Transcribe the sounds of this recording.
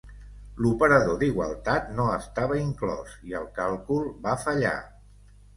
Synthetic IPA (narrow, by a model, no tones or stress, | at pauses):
lupəɾəðoðiɣwə̰lˠt̪at̪noəst̪aβəiŋklɔ̰ziə̰lˠkalˠkulˠbafəʎa̰